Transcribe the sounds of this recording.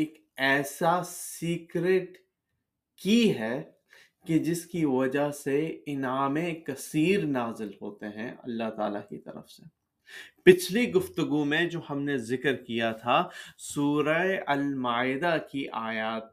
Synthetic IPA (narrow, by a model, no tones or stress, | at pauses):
eːk | ɛːsasiːkɾeːʈ | kiɦɛ | ked͡ʒɪskiʋɐd͡ʒaɦseɪnaːmẽkɐsiːɾnaːzɪlɦoːt̪eɦɛ̰̃ɐ̰lːaɦt̪a̰ːlakḭt̪ɐ̰ɾə̰fse | pɪt͡ʃʰliɡʊft̪əɡumẽd͡ʒoːhɐmnezɪkɾkijat̪ʰasuːɾaeɐlmaːɪd̪akiʔaːjaːt̪̚